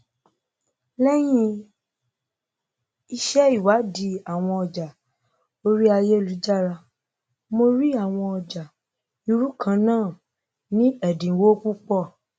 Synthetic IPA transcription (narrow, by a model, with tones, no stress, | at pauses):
lɛ˦j̃ĩ˦ | i˧ʃɛ˦i˦˨wa˨˦di˧˦a˨w̃ɔ̃˧ɔ˧d͡ʒa˨ | o˧ɾi˦a˧je˦˨lu˨˦d͡ʒa˦˨ɾa˧ | mo˧ɾi˦a˦˨w̃ɔ̃˧ɔ˧d͡ʒa˨ | i˧ɾu˦kʰã˧nãː˦˨ | nĩ˦ɛ˦˨dĩ˨wo˦ku˦k͡pɔ˦˨